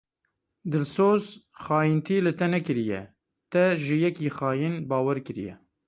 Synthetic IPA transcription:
d̪ɨlsoːzxɑːjint̪ʰiːlɨt̪ɛnɛkɨɾijɛ̰ | t̪ɛʒɪjɛkiːxɑːjinbɑːwɛɾkɨɾḭjɛ̰

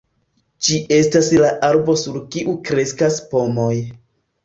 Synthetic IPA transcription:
d͡ʒiʔe̞staslaʔaɾbo̞suɾkiʔukɾe̞skaspo̞mo̞j

